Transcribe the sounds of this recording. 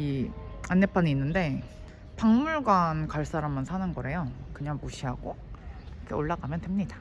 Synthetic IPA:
ianːe̞pʰaniinːɯnde̞ | paŋmuɭɡwankaɭs͈aɾamːansʰanɯnɡʌɾɦe̞jokɯɲaŋmuɕʰiɦaɡo | ʌkʰe̞oɭːaɡamjʌntemɲid̥a

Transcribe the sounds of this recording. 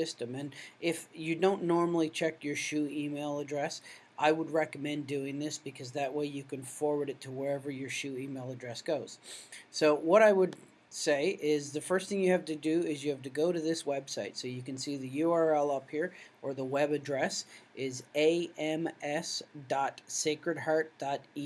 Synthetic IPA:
ɪstɨ̃mɨ̃nʔɪfjɨdõʊ̃nːɔɹml̩ˠit͡ʃʰɛkjə˞ʃʉimeɪlˠədɹɛs | ʔaɪwəd̚ɹɛkəmɛ̃ndʉɪ̃ŋðɪsb̥ɨkʰʌzðɨʔ̚weɪjɨkɨ̃nfɔɹwə˞ɾɨtʰəwə˞ɛvə˞jə˞ʃʉimeɪlˠədɹɛsɡ̥oʊz̥soʊwʌɾaɪwəd̚ | seɪʔɪzðɨfɜ˞st̪θɪ̃ŋjɨhæftɨdɨɪzjɨhæftɨɡoʊɾɨðɪswɛb̥saɪtsoʊjɨkɨ̃n̩siðɨjuɑɹɛlˠʌphiɹʔə˞ðəwɛbɨdɹɛsʔɪzeɪɛ̃mɛsd̥ɑtseɪkɹɨd̚hɑɹt̚d̥ɑɾi

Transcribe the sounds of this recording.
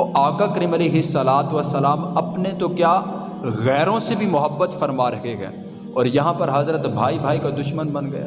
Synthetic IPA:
oʔaːkakɐɾiːmɐleːɦɪsːɐlaːt̪ʋəsːəlaːmɐpnet̪okjaː | ɣɛːɾõsebʱimʊɦəbːət̪fɐɾmaɾɐɦeɡɛ̰ː | ɔːɾjɐɦãpɐɾɦaːzɾət̪bʱaːibʱaːikad̪ʊʃmənbɐnɡɐja̰ː

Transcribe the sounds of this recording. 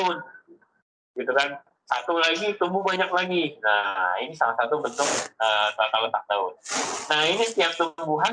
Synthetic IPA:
ʊt̪̚ | ɡ̥it̪ukan | sat̪ulainit̪umbʊhbaɲak̚laɡina̰hinisalahsat̪ubənt̪ʊk̚ət̪at̪alət̪ak̚t̪aʊt̪̚nahinisət̪iap̚t̪umbuɦan

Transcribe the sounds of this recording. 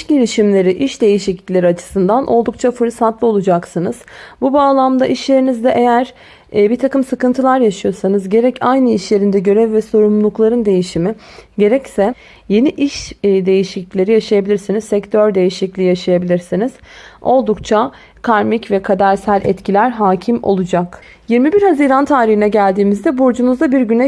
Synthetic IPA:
iʃɟiɾiʃimlʲe̞ɾiʔiʃd̪e̞jiʃiclʲi̥lʲeɾiat͡ʃʰɯ̥sɯnd̪anʔo̞lˠd̪uk̚t͡ʃʰafɯɾsat̪lˠɯo̞lˠud͡ʒaksɯnɯz̥bubaːlˠamd̪aʔiʃlʲe̞ɾinizd̪ɛʔe̞jæɾ̥ | biɾt̪ʰakɯmsɯkɯnt̪ʰɯlˠaɾjaʃɯjo̞sanɯzɟe̞ɾɛcʰajnɯiʃlʲe̞ɾind̪ɛɟø̞ɾɛvːvɛso̞ɾumlˠuklˠaɾɯnd̪e̞jiʃimiɟe̞ɾɛcsɛ | je̞niʔiʃd̪e̞jiʃiclʲlʲe̞ɾijaʃajabilʲiɾsinizsɛct̪ʰøɾd̪e̞jiʃiclʲiːjaʃajabilʲiɾsiniz̥o̞lˠd̪ukt͡ʃʰa | kʰaɾmicvɛkʰad̪aɾsælʲʔɛt̪cʰilʲæɾɦaːcʰimo̰lˠud͡ʒak | jiɾmibiɾhaziːɾant̪ʰaːɾihinɛɟælʲd̪iːmizd̪ɛbuɾd͡ʒunuzd̪abiɾɟynɛ

